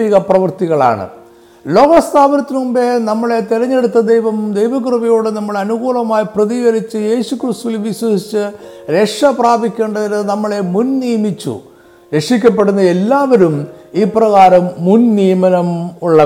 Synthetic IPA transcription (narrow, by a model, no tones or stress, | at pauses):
iɣɐprɐʋɐrt̪iɣɐɭa̰ːɳɨ̰ | lo̞ːɣɐst̪ʰaːʋɐnɐt̪ːinumbe̞nɐmːɐɭe̞t̪iɾɐɲːe̞ɽut̪ːɐd̪ejʋɐmd̪ejʋɐkrɨbɐjoːɽenɐmːɐɭɐnuɣuːlɐmaːjiprɐðiɣɐɾit͡ɕːɨje̞ːɕukrɨst̪uʋilʋiɕwɐsit͡ɕːɨ | ɾe̞kʂɐpraːbʱikʲːe̞ːɳɖɐðinnɐmːɐɭe̞munniːjmit͡ɕːṵ | ɾe̞kʂik̬ʲːɐp̬ːe̞ɽunːɐe̞lːaːʋɐɾumiːprɐɣaːɾɐmːunniːmɐnɐmuɭːɐ